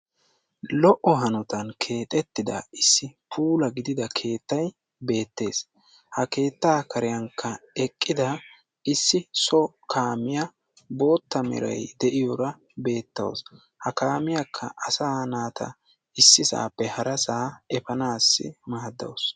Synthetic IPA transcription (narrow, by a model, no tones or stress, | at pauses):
lɔʔɔɦɐnɔt̪ɐnkʰe̞ːt̪ʼɛt̪ːɪd̪ɐ̰ɪsːɪpʰuːlɐɡɪd̪ɪd̪ɐkʰe̞ːt̪ːɐj | be̞ːt̪ːe̞ːs | hɐke̞ːt̪ːaːkɐɾɪjɐŋkʰːɐɛkʼːɪd̪ɐ | ɪsːɪsɔ | kʰaːmɪjɐ | bo̞ːt̪ːɐmɛ̰ɾɐ̰jd̪ɛʔɪjɔɾɐ | be̞ːt̪ːɐ̰w̰s | hɐkaːmɪjɐkʰːɐ̰ʔɐsaːhnaːt̪ʰɐ̰ | ɪsːɪsa̰ːpːɛhɐɾɐsaːɛfɐnaːsːɪ̰maːd̪ːɐ̰ws